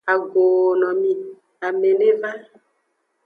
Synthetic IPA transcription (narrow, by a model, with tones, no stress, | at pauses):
a˨ɡo˨nɔ̃˨mĩ˨ | a˨me˨ne˦va˦